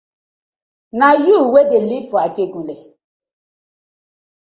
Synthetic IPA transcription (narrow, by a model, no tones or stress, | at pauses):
najuwedelifɔakeɡule